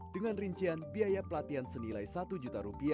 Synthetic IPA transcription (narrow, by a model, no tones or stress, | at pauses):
dəŋanriɲt͡ʃianbiajapəlat̪iansənilajsat̪ud͡ʒut̪aɾupia